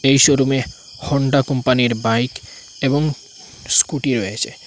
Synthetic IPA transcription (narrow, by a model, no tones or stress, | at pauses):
ejʃoɾume | hɔɳɖakɔmpaniɾbajk | eboŋ | skuʈiɾoet͡ɕʰe